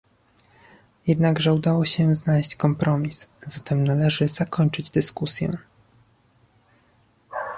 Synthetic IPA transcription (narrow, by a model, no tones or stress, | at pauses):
jɛd̪naɡʐɛud̪awɔɕɛznalɛɕt͡ɕkɔmpɾɔmʲiszat̪ɛmnalɛʐɘz̥akɔɲt͡ʂɘd͡ʑd̪ɘskusʲjɛ̰